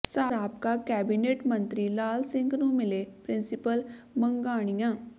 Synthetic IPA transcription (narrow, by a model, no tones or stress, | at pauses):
saːaːpkakɛːbineːʈmə̃nt̪ɾilaːlsɪ̃ŋɡnũmɪlepɾɪ̃nsɪpəl | mə̃ŋɡaːɽ̃ijãː